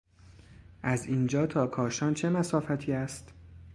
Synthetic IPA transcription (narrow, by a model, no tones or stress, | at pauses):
ʔæziːnd͡ʒɒːt̪ʰɒːkʰɒːʃɒːnt͡ʃʰe̞mæsɒːfæt̪ʰiːæst̪